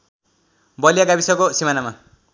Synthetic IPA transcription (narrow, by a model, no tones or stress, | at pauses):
bʌljaɡabisʌkosimanama